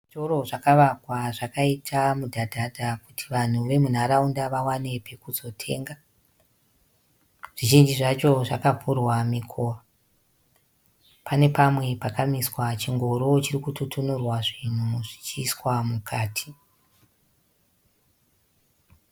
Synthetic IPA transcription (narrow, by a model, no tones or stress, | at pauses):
itoɾoʐakaʋakwaʐakaitʰamudʱadʱadʱakutʰiʋan̤uʋe̞mun̤aɾaundaʋawane̞pʰe̞kuzo̞tʰe̞̰ːŋɡa | ʐ̥iʒind͡ʒiʐat͡ʃo̞ʐakavurwamikʰo̞ːʋa | pane̞pamwe̞pakamiswat͡ʃiŋɡo̞ɾot͡ʃirikututunurwaʐin̤uuʐ̥it͡ʃiːswamukʰaːtʰi̥